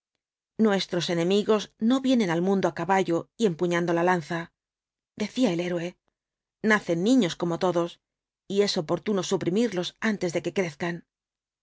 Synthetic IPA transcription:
nwe̞st̪ɾo̞se̞nẽ̞miɣo̞zno̞βje̞nẽ̞nalmũnd̪oakaβaʝoie̞mpuɲãnd̪o̞lalan̟θa | d̪e̞θiaele̞ɾwe̞ | naθe̞nːĩɲo̞sko̞mo̞t̪o̞ðo̞s | ie̞so̞po̞ɾt̪uno̞supɾimiɾlo̞sant̪e̞zðe̞ke̞kɾe̞θkan

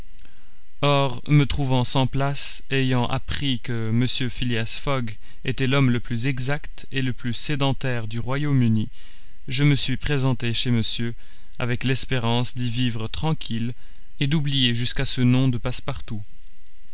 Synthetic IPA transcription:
ɔʁmət̪χuvɑ̃sɑ̃plas | ejɑ̃ʔa̰pχikəməsjøfiljasfɔɡ | et̪ɛlɔmləplyzɛɡzakt̪ | eləplysed̪ɑ̃t̪ɛʁd̪yʁwajomyni | ʒəməsɥipχezɑ̃t̪eʃeməsjø | a̰vɛklɛspeʁɑ̃sd̪ivivʁət̪χɑ̃kʲʰil | ed̪ublijeʒyskasənɔ̃d̪əpaspaʁt̪u

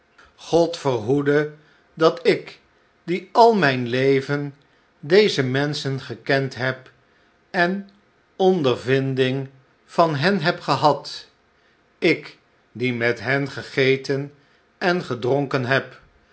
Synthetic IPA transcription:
χɔtfəɹɦudə | dɑtɪk | diɑlˠmɛjnlejvən | dejzəmɛnsənχəkɛntɦɛp | ɛn | ɔndəɹvɪndɪŋ | v̥ɑnɦɛnɦɛpχəɦɑt | ɪk | dimɛtɦɛnχəχejtən | ɛnχədrɔŋkənɦɛp

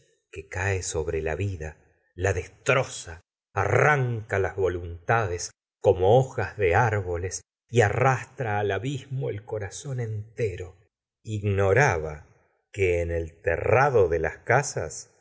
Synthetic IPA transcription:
kekaeso̞βɾela̰βiða | laðest̪ɾo̞sa̰ː | raŋkalazβo̞lunt̪aðes | ko̞mooxazðeaɾβo̞les | iarast̪ɾaːlaβizmoelko̞ɾaso̞ne̞nt̪eɾo̞ | iɣno̞ɾaβa̰ | keːnelt̪ḛraðo̞ðelaskasa̰s

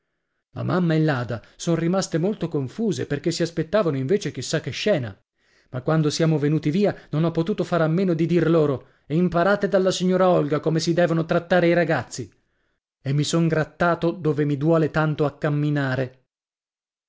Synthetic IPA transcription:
la̰mamːaelːaːd̪asonrimast̪emolt̪okoɱfuːzeperk̟esiaspet̪ːaːvanoiɱveːt͡ʃek̟isːakːɛʃːɛːna̰ | makːwand̪osjaːmovenuːt̪iviːanonɔpːot̪uːt̪ofaːɾamːeːnod̪id̪irloːɾo | ɛimpaɾaːt̪ed̪alːasiɲːoːɾaɔlɡakomesid̪ɛːvonot̪ɾat̪ːaːɾeiɾaɡat̪sːi | emːisoŋɡɾat̪ːaːt̪od̪oːvemid̪wɔːlet̪ant̪oakːamːinaːɾe

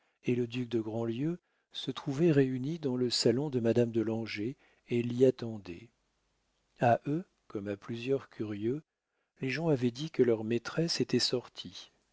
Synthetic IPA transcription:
eləd̪yk̚d̪əɡʁɑ̃ljø | sət̪χuvɛʁeynid̪ɑ̃ləsalɔ̃d̪əmad̪amd̪əlɑ̃ʒe | eliat̪ɑ̃d̪ɛ̰ | aʔø | kɔmaplyzjœʁkʲyʁjø | leʒɑ̃avɛd̪ikəlœʁmet̪χɛset̪ɛsɔʁt̪ʰi

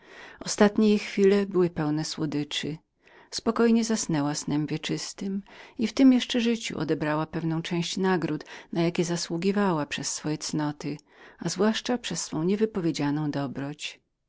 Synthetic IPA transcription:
ɔst̪at̪ɲejixfʲilɛbɘwɘpɛwnɛswɔd̪ɘt͡ʂɨ | spɔkɔjɲɛzasnɛwasnɛmvʲjɛt͡ʂɘst̪ɘmift̪ɘmjɛʂt͡ʂɛʐɘt͡ɕṵʔɔ̰d̪ɛbɾawapɛvnɔ̃w̃t͡ʂɛ̃w̃ɕt͡ɕnaɡɾut̪najakʲɛzaswuɡʲivawapʂɛsːfɔjɛt̪snɔt̪ɪ | azvwaʂt͡ʂapʂɛsːfɔ̃w̃ɲɛvɘpɔvʲjed͡ʑanɔ̃w̃d̪ɔbɾɔt͡ɕ

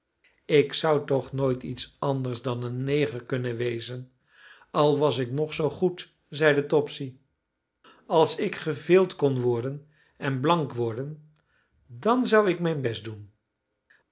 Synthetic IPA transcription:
ɪksʌwtɔχnojtitsɑndəɹsdɑnənːejχəɹkɵnənʋejzən | ɑlˠʋɑsɪknɔχsowχut | zɛjdətɔpsi | ɑlˠsɪkχəvɪːlˠtkɔnʋɔɹdən | ɛnblɑŋkʋɔɹdən | dɑnzʌwɪkmɛjnbɛsdun

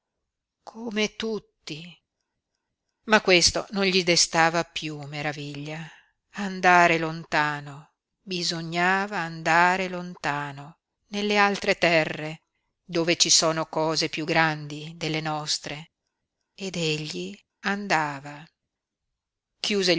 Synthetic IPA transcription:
kʰomet̪ut̪ːi | makːwest̪o̰nonʎid̪est̪aːvapjumeɾaviʎːa | and̪aːɾelont̪aːno | bizoɲːaːvaːnd̪aːɾelont̪aːno | nelːealt̪ɾet̪ɛrːe | d̪oːvet͡ʃisoːnokɔːzepjuɡːɾand̪id̪elːenɔst̪ɾe | ed̪eʎːi | and̪aːva | kjuːze

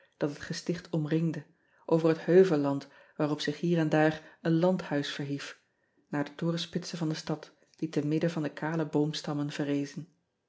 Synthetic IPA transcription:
d̥ɑtɦətχəstɪχtʰɔmrɪŋdə | ʔowvəɹɦəthøɥvəlɑnt | ʋaːrɔpsɪχɦiːɹɛndaːrənlɑnthœɥsfəɹɦif | naːɹdətʊːrəspɪtsəvɑndəstɑt | d̥itənmɪdəvɑndəkʰaːləbowmstɑmənv̥ərejzən

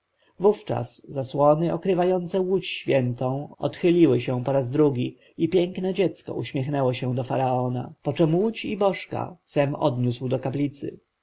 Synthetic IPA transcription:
vuft͡ʂa̰szaswɔnɘʔɔkɾɘvajɔnt̪sɛwut͡ɕɕfʲjɛnt̪ɔ̃w̃ɔ̰t̪xɘlʲiwɘɕɛ̃pɔɾazd̪ɾuɡʲi | ipʲjɛŋknɛd͡ʑɛt̪skɔ̰uɕmʲjɛxnɛwɔɕɛ̃d̪ɔfaɾaɔna̰pɔt͡ʂɛmwut͡ɕibɔʂka̰sɛmɔd̪ɲuswd̪ɔkaplʲit̪sɘ̰

